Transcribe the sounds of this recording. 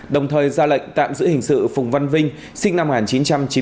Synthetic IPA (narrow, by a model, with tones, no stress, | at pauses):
ɗə˨˩wŋ͡mt̪ʰəː˨˩jzaː˧lə̰˧˨jŋ̟t̪a̰ː˧˨mzɨ̰˧˥hï˨˩ŋ̟sɨ̰˧˨fʊ˨˩ŋ͡mva˧nvï˧ŋ̟ | sï˧ŋna˧mː˨ŋaː˨˩nt͡ɕi˨˦nt͡ɕa˧mt͡ɕi˨˦